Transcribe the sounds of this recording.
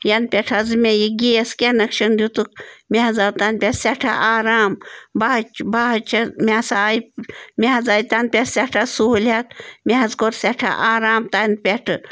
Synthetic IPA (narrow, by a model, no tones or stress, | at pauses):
jɐn̚pʲeʈʰɐzɨmejiɡieskʲenɐkʃɐnd̪ʲut̪ukmʲeɦɐzat̪anpʲesʲeʈʰa̰ʔaːɾaːmbat͡ʃbaɦɐt͡ʃʰɐmʲesajipmʲeɦɐzaːjit̪an̚pʲesʲeʈʰasuɦulat̪̚mʲeɦɐzkoɾsʲeʈʰa̰ʔaːɾaːmt̪anpʲeʈʰɨ